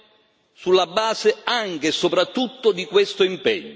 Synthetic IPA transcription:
sulːabːaːzɪaŋk̟esopɾat̪ːut̪ːʊd̪ikwest̪oimpɛɲːo

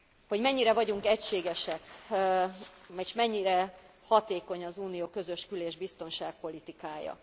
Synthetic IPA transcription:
ho̞ɟmɛɲːiɾɛvɒɟuŋkɛcʃeːɡɛʃɛk | mɛʃmɛɲːiɾɛ | hɒt̪eːko̞ɲɒzuːnijoːkø̞zø̞ʃkyleːʒbist̪o̞nʃaːk̚po̞lit̪ikaːjɒ̰

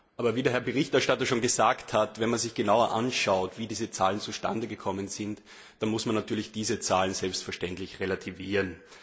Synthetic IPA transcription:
ʔaːbɐviːdɛːɐhɛɐbəʁɪçtɛɐʃtatɐʃoːnɡəzaːkthatvɛnmanzɪçɡ̥ənaʊɐʔa̰nʃaʊtviːdiːzət͡saːlənt͡suʃta̰ndəɡəkʰɔmənzɪnt | d̥anmʊsmanːatʰyːɐlɪçd̥iːzət͡saːlən̩zɛlpstfɛɐʃtɛntlɪçʁelatʰiviːʁən

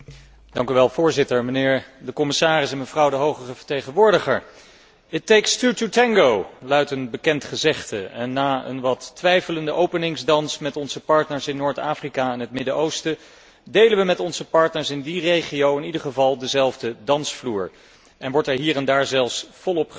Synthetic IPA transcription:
d̥ɑŋkyʋɛlˠvʊːɹzɪtəɹmənɪːɹdəkɔmɪsaːrɪsɛnmənvrɑwdəɦowχəχəvə̥ɹtejχənʋʊːɹdəχəɹ | ɪtejkstututɛŋɡowlœɥtənbəkɛntχəzɛχtə̰ɛnːaːə̰nʋɑtːʋɛjfələndəʔowpənɪŋzdɑnsmɛtɔnzəpɑɹtnəɹsɪnːoːɹtaːfrikaɛnɦətmɪdəʔowstə | dejləʋəmɛtɔnzəpɑɹtnəɹsɪndirejχiowɪnidəɹχəvɑlˠdəzɛlˠvdədɑnsfluːɹ | ʔɛnʋɔɹtɛɹɦiːrɛndaːɹzɛlˠfsfɔlˠɔp

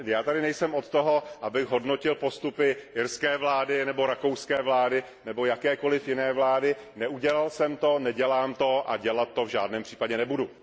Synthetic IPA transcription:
jaːt̪adɪnɛjsɛmʔot̪t̪oɦo̞ʔabɪɣɦo̞dnocɪlpo̞st̪upɪʔɪɾskɛːvlaːdɪnɛbo̞ɾakowskɛːvlaːdɪ | nɛbo̞jakɛːko̞lɪfjɪnɛːvlaːdɪnɛuɟɛlalsɛmt̪o̞nɛɟɛlaːmt̪o̞ʔa̰ɟɛlat̪̚ːo̞vʒaːdnɛːmpr̥i̥ːpaɟɛnɛbudu

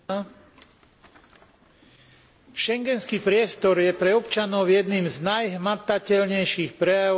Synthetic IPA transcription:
ʃɛŋɡɛnskiːpɾɪɛst̪ɔɾjɛpɾɛɔpt͡ʃanɔʊjɛd̪niːmznajɦmat̪acɛʎɲɛjʃiːxpɾɛja

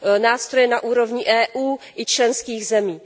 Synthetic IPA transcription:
naːst̪ɾojɛnaʔuːɾovɲɪʔɛːʔuːʔɪt͡ʃlɛnskiːɣzɛmiː

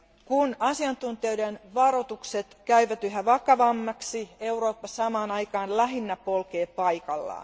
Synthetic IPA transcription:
kunɑsiɑnt̪unt̪ioidenʋɑrot̪ukset̪kæyʋæt̪yɦæʋɑkɑʋɑmːɑksieuroːpːɑssɑmɑːnɑijkɑːnlæɦinːæpolkeːpɑikɑlːɑ̰ː

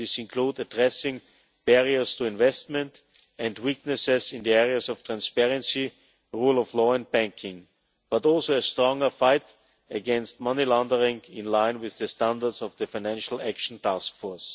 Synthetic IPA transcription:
ɪsɪ̃nkʰl̥udədɹɛsɪ̃ŋ | b̥ɛɹiə˞stʰuɪ̃nvɛstmɛ̃nt | ɛ̃ndwiknɨsɪzɪ̃nðiɛɹiəsɔftʰɹ̥æ̃nspɛɹɨ̃nsi | ɹulˠɔvlɔːɛ̃nd̚bæ̃ŋkʰɪ̃ŋ | b̥atɔlˠsoəstɹɔ̃ŋə˞faɪt | ɨɡɛ̃nst̚mʌnilæ̃ndə˞ɪ̃ŋɪ̃nlãɪ̃nwɪððəstæ̃ndə˞dsɔvðəfaɪnæ̃nʃl̩ˠækʃn̩tʰaskfɔɹs

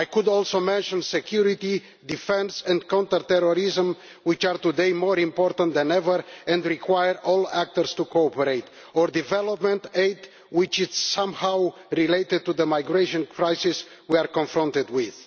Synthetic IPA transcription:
ajkud̪ɔlˠsomɛ̃nʃə̃nsɛkʰjuɾit̪i | d̪ifɛ̃nsɛ̃nkɔ̃nt̪ət̪ɛɾɔɾizə̃m | wit͡ʃaɾt̪ud̪ejmɔɾĩmpɔɾt̪ãnt̪d̪ɛ̃nɛvəɾɛ̃nd̪ɹikʰwajəɾɔlæk̚t̪əɾst̪ukoɔpəɾejt̪ | ɔɾd̪ivɛlɔpmɛ̃nt̪eɪd̪ | wɪt͡ʃɪsːãmhaw | ɾilejt̪ɪd̪̚t̪uðəmajɡɾeʃɔ̃nkʰɹajsis | wiaɾkɔ̃nfɾɔ̃nt̪ɪd̪wið̥

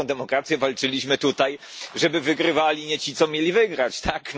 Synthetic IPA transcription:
ɔ̃w̃d̪ɛmɔkɾat̪sʲjɛvalt͡ʂɘlʲiɕmɘt̪ut̪aj | ʐɛbɘvɘɡɾɘvalʲiɲɛt͡ɕit̪sɔmʲjelʲivɘɡɾat͡ɕt̪ʰak

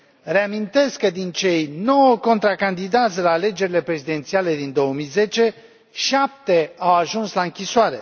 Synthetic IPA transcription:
re̞amint̪e̞skːəd̪int͡ʃe̞jno̞wəko̞nt̪ɾakand̪id̪at̪sʲlaːle̞d͡ʒe̞ɾile̞pɾe̞zid̪e̞nt̪siale̞d̪ind̪o̞omijze̞t͡ʃe̞ | ʃap̚t̪e̞awaʒunslaɨŋkʲisoaɾe̞̰

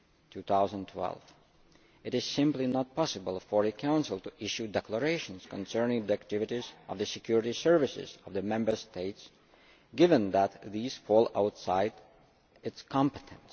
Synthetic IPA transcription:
tʰuθaʊzə̃ntʰwɛ̰lˠv̥ | ɨɾɨz̥sɪ̃mplinət̚pʰɑsɨbəl̩ˠfə˞ɨkʰãʊ̃nsəl̩ˠtuʔɪʃudɛkʰləɹeɪʃə̃nz̥kə̃nsɜ̃˞nɪ̃ŋðiæk̚tɪvɨɾizʔʌvðɨsɨkʰj̥ʊɹɪɾisɜ˞vɨsɪ̰zʌvðəmɛ̃mbə˞stʰeɪts | ɡ̥ɪvə̃nðæt̪ðiːz̥fɔlˠa̰ʊtsaɪd | ɪtskʰɑ̃mpɨtʰɨ̃ns

